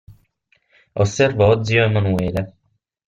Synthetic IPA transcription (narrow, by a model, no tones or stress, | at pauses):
osːɛrvaɔd̪zjoemːanueːle